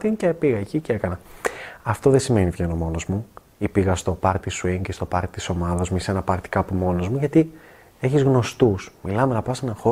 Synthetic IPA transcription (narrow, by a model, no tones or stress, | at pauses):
t̪incepiɣɐecicee̞kɐnɐɐft̪o̞ðe̞sime̞nivʝe̞no̞mo̞no̞zmu | ipiɣɐst̪o̞pɐɾt̪t̪isuiŋcest̪o̞pɐɾt̪it̪i̥so̞mɐðɐzmuise̞nɐpɐɾt̪i̥kɐpumo̞no̞zmuʝɐt̪i | e̞çizɣno̞st̪usmilɐme̞nɐpɐse̞nɐxo̞